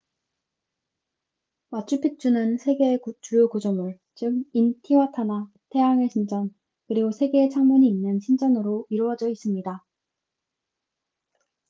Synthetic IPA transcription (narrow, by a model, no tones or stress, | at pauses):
mat͡ɕ͈ʰupʰik̚t͡ɕ͈unɯnsʰe̞ɡe̞kut͡ɕuɾjokud͡ʑʌmɯɭ | t͡ɕɯm̚intʰiwatʰana | tʰe̞jaŋeɕʰind͡ʑʌn | kɯɾiɡosʰe̞ɡe̞ːt͡ɕʰaŋmuɲiːnːɯnɕʰind͡ʑʌnɯɾoiɾwʌd͡ʑʌis͈ɯmɲida